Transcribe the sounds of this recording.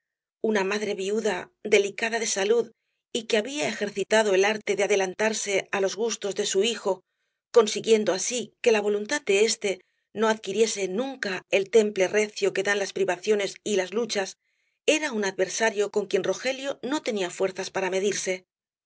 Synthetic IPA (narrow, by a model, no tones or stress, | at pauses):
unamaðɾe̞βiuðad̪e̞likaðaðe̞saluð | ikeaβiae̞xe̞ɾθit̪að̞o̞e̞laɾt̪e̞ðeaðe̞lant̪aɾse̞alo̞zɣust̪o̞zðe̞suixo̞ | ko̞nsiɣje̞nd̪oasike̞laβ̞o̞lunt̪að̚d̪e̞e̞st̪e̞ | no̞aðkiɾje̞se̞nũŋkae̞lt̪e̞mple̞re̞θjoke̞ðanlaspɾiβaθjo̞ne̞silazlut͡ʃas | e̞ɾaunaðβe̞ɾsaɾjo̞ko̞ŋkje̞nro̞xe̞ljo̞no̞t̪e̞niafwe̞ɾθaspaɾame̞ð̞iɾse̞